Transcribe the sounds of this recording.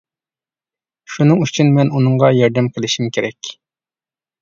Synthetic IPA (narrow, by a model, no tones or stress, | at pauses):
ʃunɨŋyt͡ʃʰynmɛnunɨɴʁɑjɑɾd̪ɛmqʰəlˠɪʃimkʲʰeɾɛkʲ